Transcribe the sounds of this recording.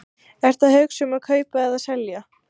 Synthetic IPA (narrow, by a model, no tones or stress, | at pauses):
ɛɾ̥t̪aðhœɥksʏmakʰœːɥpaɛðaðsɛlja